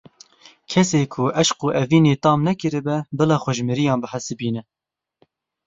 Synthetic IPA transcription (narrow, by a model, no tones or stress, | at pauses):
kʰɛseːkʰʊʔɛʃquːʔɛviːneːt̪ɑːmnɛkɨɾɨbɛbɨlɑːxʷɛʒmɨɾijɑːnbɨħəsɨbiːnɛ